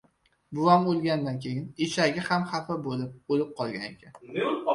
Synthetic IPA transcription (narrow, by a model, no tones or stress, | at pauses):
bʊamolˠɡʲand̪ankʲʰe̞jɪneʃaɡʲahamhafabolɪp̚olɪp̚qʰɒlˠɡʲanḛkʲʰan